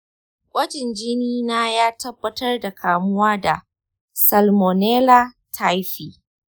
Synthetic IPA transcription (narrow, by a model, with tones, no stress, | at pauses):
kʷʼɐ˦d͡ʒɪ˨nd͡ʒɪ˦niː˦naː˦jaː˦tɐ˦bːɐ˦tɐ˦rda˨kʰaː˨mʊ˦waː˦da˨ | sɐ˨lmo˨neː˦la˦ | tʰa˦jɸiː˨